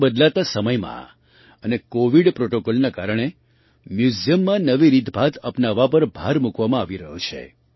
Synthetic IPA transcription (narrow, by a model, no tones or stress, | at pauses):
bəd̪lat̪asəməjmã̰ | ənekoʋiɖpɾoʈokolnakaɾəɳ̃e | mjuzijəmːãnəʋiɾit̪bʱat̪ʰəpnaʋapəɾbʱaɾmukʋamãaʋiɾəɦut͡ʃʰḛ